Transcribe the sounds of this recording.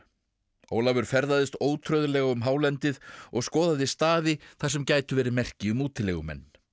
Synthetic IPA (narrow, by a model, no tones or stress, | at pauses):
o̰ːwlavʏɾ̥fɛɾðaðɪst̪oːwt̪ʰɾœɥðʏlɛɣaʏmɦaːwlɛnt̪ɪðɔɣskɔːðaðɪst̪aːðɪθḁs̬ɛmcaːjt̪ʏvɛːɾɪmɛr̥cɪʏmuːt̪ɪlɛɣʏmɛ̰nː